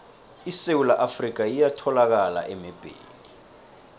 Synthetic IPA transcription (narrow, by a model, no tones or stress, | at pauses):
isewulaʔafrik̬ʼajijatʰɔlak̬ala̰ʔɛmɛb̥ʱʼḛːli